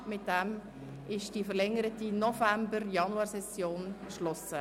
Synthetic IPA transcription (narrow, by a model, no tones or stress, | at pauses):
mɪt̚d̥ɛm | ʔɪʃd̥ifəɾlɛŋːəɾətinɔfæmbəɾjɑnuɑːɾsɛsjoːnkʃlɔsə